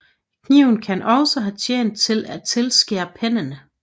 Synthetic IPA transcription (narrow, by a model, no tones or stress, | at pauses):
kʰniʊ̰n̩kʰænʔɒ̽səɦæt͡sʰjḛːn̰d̥̚t͡sʰe̝læt͡sʰe̝lsɡ̥ḛːɐpʰenənə